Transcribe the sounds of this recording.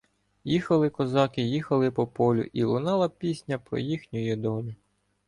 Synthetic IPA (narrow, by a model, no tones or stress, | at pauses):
jixɐlˠɪkɔzɑkɪjixɐlˠɪpɔpɔlʲʊ̰ʔilˠʊnɑlˠɐpʲisʲnʲɐpɾɔ̰jixnʲʊjɛd̪ɔlʲʊ